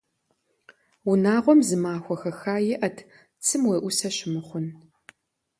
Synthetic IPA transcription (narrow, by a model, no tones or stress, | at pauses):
ʊnaːʁʷɔmzɨmaːxʷɔxɐxaːjɪʔɐtʰ | t͡sʰɨmweːʔʷʊsɐʃɪmɨχʷʊn